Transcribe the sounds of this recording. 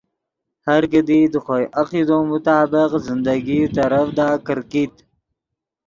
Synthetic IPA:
haɾkəd̪id̪əxojʔaqid̪omʊt̪ɑːbɪqzɪnd̪aɡit̪aɾəfd̪aːkəɾkit̪

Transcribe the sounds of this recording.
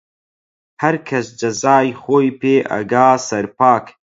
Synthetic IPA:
hɐɾkʰɐsd͡ʒɐzaːjxoːjpeːʔɐ̰ɡaːsɐɾpaːk

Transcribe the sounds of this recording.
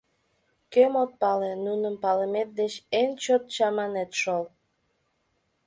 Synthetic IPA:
kemot̪̚pɑlenunəmpɑləmet̪̚d̪et͡ɕent͡ɕot̪̚t͡ɕɑmɑnet̪ʃol

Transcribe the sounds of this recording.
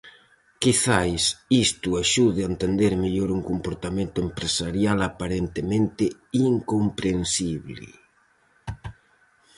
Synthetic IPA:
kiθajsist̪ʊaʃuðeaent̪end̪eɾmeʎoɾuŋkompoɾt̪amẽnt̪ʊempɾesaɾjalapaɾent̪emẽnt̪ɪiŋkompɾensiβlɪ̰

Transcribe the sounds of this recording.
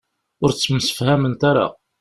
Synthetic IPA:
ʊɾt͡sːəmsə̥fhæmənt̪aɾa̰

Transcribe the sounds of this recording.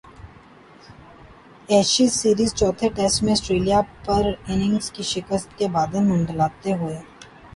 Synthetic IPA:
ɛːʃisiːɾiːzt͡ʃɔːt̪ʰeʈɛːsʈmẽəsʈɾeːlijapɐɾɪnɪ̃ŋɡskiʃɪkəst̪kebaːd̪emʊ̃ɳɖlaːt̪eɦoeː

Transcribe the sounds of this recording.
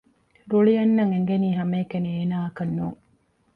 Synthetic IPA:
ɾuɭijɐnːɐŋeŋɡeniːɦɐmeːkenieːnaːɐkɐnːuːŋ

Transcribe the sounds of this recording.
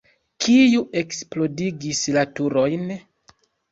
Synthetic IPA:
kijuʔe̞ksplo̞diɡislatuɾo̞jn

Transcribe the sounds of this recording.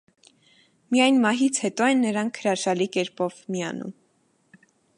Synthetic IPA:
mijɑjnmɑɦit͡sʰhɛt̪ɔɛnːəɾɑŋkʰːəɾɑʃɑlikɛɾpɔvmiɑ̰nṵm

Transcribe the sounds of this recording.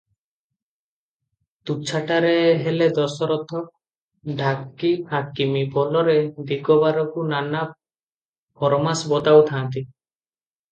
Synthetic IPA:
t̪uk̚t͡ʃʰaʈaɾeɦeled̪ɔsɔɾɔt̪ʰɔ | ɖʱakːihakimipɔlɔɾed̪iɡɔbaɾɔkunana | pʰɔɾɔmasbɔt̪awt̪ʰant̪i

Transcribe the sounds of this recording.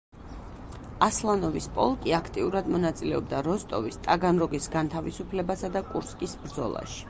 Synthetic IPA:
aslˠanɔvispʼɔ̰lˠkʼiakʰt̪ʼiuɾad̪mɔnat̪sʼilɛɔbd̪aɾɔst̪ʼɔ̰vist̪ʼaɡanɾɔɡisɡant̪ʰavisupʰlɛbasad̪akʼuɾskʼisbɾd̪zɔ̰lˠa̰ʃi̥

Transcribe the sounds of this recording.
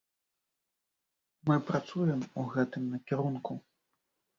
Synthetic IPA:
mɨpɾat̪sujɛmuɣɛt̪ɨmnɐkʲiɾunku

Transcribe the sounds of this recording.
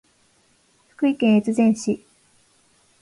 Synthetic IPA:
ɸɯ̥kɯ̟ikẽɰ̃et͡sɨzẽɰ̃ɕi

